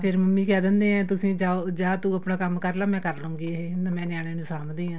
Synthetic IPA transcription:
pʰɪɾməmːĩːkɛːd̪ə̃nd̪eːɛ̃ːt̪ʊsĩːd͡ʒaːod͡ʒaːt̪uːəpnaːkəmkəɾlaːmɛ̃ːkəɾlõːŋɡeːɦmɛ̃ːnɪjaːɽ̃eːnũːsaːmd̪ĩːãː

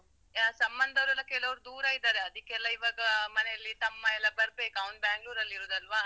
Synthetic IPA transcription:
sɐmbɐnd̪ʱɐʋɾulɐkɛlɐʋɾud̪uːɾɐid̪aːɾeɐd̪ikːɛlːɐiʋaːɡɐmɐnejɐlːit̪ɐmːɐɛlːɐbɐɾbe̞ːkɐwɐnbaːŋɡluːɾɐlːiɾoːd̪ɐlʋaː

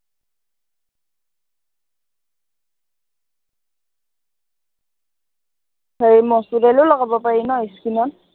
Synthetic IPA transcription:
hʰaɹimɔsudɛlʊlɔɡabɔpaɹinɔiskinɔn

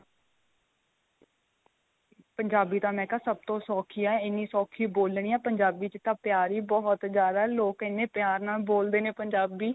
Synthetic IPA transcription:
pəɲd͡ʒaːbiːt̪ãːmɛ̃ːkaːsəb̚t̪õːsɔːkʰiːaːɛɪnːiːsɔːkʰiːboːlɳiːaːpəɲd͡ʒaːbiːt͡ʃt̪ãːpɪjaːɾiːbɔːt̪zjaːd̪aːloːkɪnːeːpjaːɾnaːlboːld̪eːneːpəɲd͡ʒaːbiː

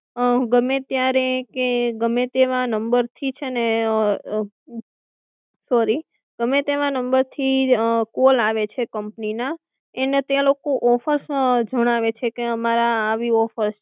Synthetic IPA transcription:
ɡəmet̪jaɾekeɡəmet̪eʋãnəmbəɾt̪ʰit͡ʃʰene | sɔɾi | ɡ̥əmet̪eʋãnəmbəɾt̪ʰikolaʋet͡ʃʰekəmpnina | enet̪ealokoʔɔfəɾsd͡ʒəɽ̃aʋet͡ʃʰekeəmaɾaːʋiɔfəɾs

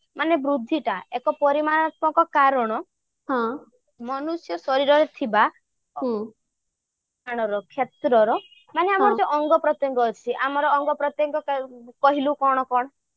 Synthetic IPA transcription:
manebɾud̪ʱːiʈaekɔpɔɾimanɔt̪̚ɔ̃ŋkɔkaɾɔɽ̃ɔ | ɦɔ̃ | mɔnusjɔsɔɾiɾɔɾet̪ʰibã | aɽ̃ɔɾɔkʰjet̪ɾɔɾɔ | maneamɔɾɔd͡ʒeʔɔŋɡɔpɾɔt̪jɔŋɡɔːt͡ʃʰiʔamɔɾɔːŋɡɔpɾɔt̪jɔŋɡɔkkɔɦilukɔɽ̃ɔkɔɽ̃ɔ

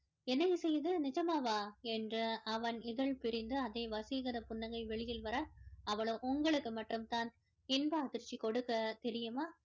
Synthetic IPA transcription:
ɛnːɐjsɛjːɐðɯnɪt͡ʃɐmaːʋaːɛndrɯɐʋɐnɪðɐɭpɪɾɪnd̪ɯɐðɐɪʋɐsɪɣɐɾɐpʊnːɐŋɡɐɪʋɛɭɪjɪlʋɐɾɐɐʋɐɭoʔʊŋɡɐɭɯkːɯmɐʈːɯmt̪aːn | ɪnbaɐðɪɾt͡ʃːikɔɽɯkːɐt̪ɛɾɪjɯmaː

